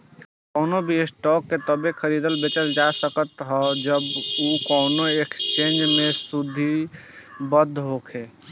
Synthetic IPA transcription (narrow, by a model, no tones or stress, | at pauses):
kɔʊnobʱiesʈɔkːet̪əbekʰəɾid̪əlbet͡ʃəld͡ʒasəkət̪ɦɔd͡ʒəbukɔʊnoekst͡ʃẽnd͡ʒmẽsud̪ʱːi | bəd̪ʱːɦokʰe